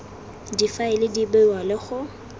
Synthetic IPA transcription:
difaɪlɪdibʊwalɪχʊ

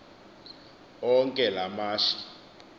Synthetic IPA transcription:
ɔŋkʼɛlamaːʃi̥

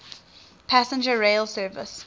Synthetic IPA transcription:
pʰæsə̃nd͡ʒəɹeɪlsɜːvə̰s

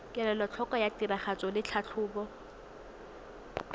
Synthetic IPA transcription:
kʼɛlɛlɔt͡ɬʰɔkʼɔjatiraχat͡sʼɔlɪt͡ɬʰat͡ɬʰʊːbɔ

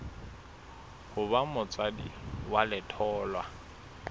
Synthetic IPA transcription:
hʊbamʊt͡sʼadḭwalɪtʰɔːlwa

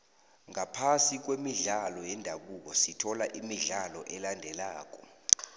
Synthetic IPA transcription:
ŋapʰasik̬wemiɮalɔjɛndʱaɓuk̬ɔsitʰɔlaʔimiɮalɔʔɛlandʱɛlaːk̬ʼɔ

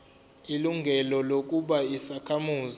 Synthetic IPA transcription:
iluŋɡʱɛlɔlok̬ʼuɓaisakʰamuːz

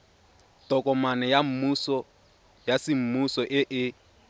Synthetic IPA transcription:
tɔkʼɔmanɛjam̩musɔ | jasɪm̩musɔʔɪʔɪ

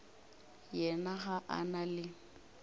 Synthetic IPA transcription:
jɛnaχaʔa̰nalɪ

